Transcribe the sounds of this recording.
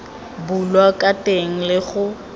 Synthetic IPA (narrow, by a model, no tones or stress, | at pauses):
bulwakʼatʼeŋ̩lɪχʊ